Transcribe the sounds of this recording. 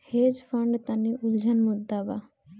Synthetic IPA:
hed͡ʒfʰəɳɖt̪aniʔuld͡ʒʱənmud̪ːaba

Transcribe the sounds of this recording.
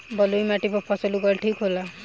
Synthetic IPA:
bɔlujmaʈibɔpʰɔsɔluɡɔlʈʰikɦola

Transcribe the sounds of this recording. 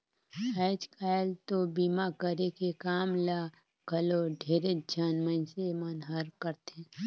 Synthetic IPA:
ɛɪd͡ʒkaːlt̪obiːmakəɾekekaːmla | ɡ̥ʱəloɖʱeːɾed͡ʒʱənmənsemənɦəɾkəɾt̪ẽː

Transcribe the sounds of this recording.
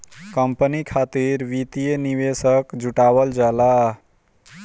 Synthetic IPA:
kəmpənikʰat̪iɾʋit̪ijeniβesəkd͡ʒuʈaβəld͡ʒala

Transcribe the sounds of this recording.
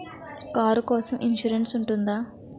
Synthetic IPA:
kaːɾukɔːsɐmʔinʃuɾensuɳʈund̪aː

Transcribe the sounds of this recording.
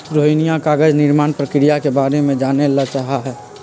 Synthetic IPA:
ɾoːɦɪnijakaːɡəd͡ʒnɪɾmaːnpɾəkɪɾijakebaːɾemẽd͡ʒaːnelat͡ʃaːɦaɦɛː

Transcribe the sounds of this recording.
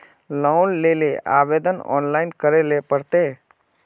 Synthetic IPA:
lɔʊnleːleʔa̰ːʋeːd̪ənɔ̰ːnlaːɪnkəɾelepəɾt̪e

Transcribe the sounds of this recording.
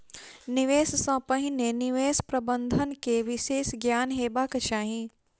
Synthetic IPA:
nɪʋeːssɐ̃ːpə̃ɦĩnenɪʋeːspɾɐbənd̪ʱənkeʋɪʃeːsɡjaːnɦeːbakɐt͡ʃaːɦĩ

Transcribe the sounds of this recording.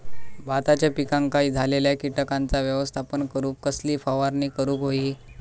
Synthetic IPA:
bat̪at͡ɕjapikãŋkaiːd͡zʱaleljakiʈəkant͡saʋjəʋəst̪ʰapəɳkəɾuːkkəsliːfaʋaɾniːkəɾuːkɦoi

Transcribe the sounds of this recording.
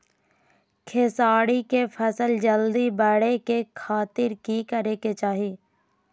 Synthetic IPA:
kʰesaːɽikepʰəsəld͡ʒəld̪ibəɽekekʰaːt̪ɪɾkikəɾeːket͡ʃaːɦiː

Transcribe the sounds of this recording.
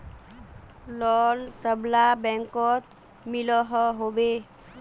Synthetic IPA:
lɔnsəblabɛŋkɔt̪ | milɔɦɔɦobe

